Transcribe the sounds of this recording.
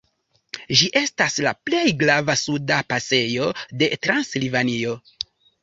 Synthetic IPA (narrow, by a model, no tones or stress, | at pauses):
ʒiʔe̞stasla̰ple̞jɡɾavasudapase̞jo̞de̞tɾanslivanio̞